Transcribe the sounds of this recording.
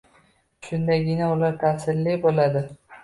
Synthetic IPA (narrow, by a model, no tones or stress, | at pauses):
ʃʊnd̪aɡʲɪnaʊlaɾt̪ʰasɪlːɪbolad̪ɪ